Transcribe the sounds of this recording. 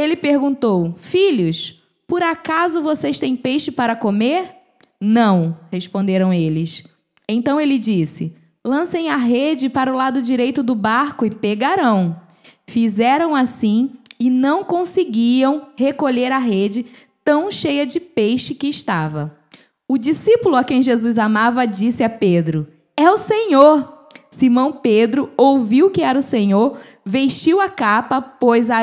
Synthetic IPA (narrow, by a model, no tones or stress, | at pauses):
elɪpeɾɡũnt̪owfiʎʊs | pʊɾakazʊvosejst̪ẽj̃pejʃɪpaɾɐkomeɾ | nɐ̃w̃hespõnd̪eɾɐ̃w̃elɪs | ẽt̪ɐ̃w̃elɪd͡ʒisɪ | lɐ̃sẽj̃ɐɦed͡ʒɪpaɾʊlad̪ʊd͡ʒiɾejt̪ʊd̪ʊbaɾkʊɪpeɡaɾɐ̃w̃ | fizɛɾɐ̃w̃asĩɪnɐ̃w̃kõsɪɡiɐ̃w̃hekoʎeɾɐɦed͡ʒɪt̪ɐ̃w̃ʃejɐd͡ʒɪpejʃɪkɪːʃt̪avɐ | ʊd͡ʒisipʊlʊakẽj̃ʒezuzamavɐd͡ʒisɪaped̪ɾʊ | ɛʊsẽɲoɾ | simɐ̃w̃ped̪ɾʊowviwkɪɛɾɐʊsẽɲoɾ | veʃt͡ʃiwɐkapɐpojza